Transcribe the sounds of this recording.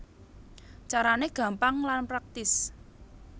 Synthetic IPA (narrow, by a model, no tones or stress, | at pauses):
t͡ʃaɾaneɡ̥ä̤mpaŋlanpɾak̚t̪ɪs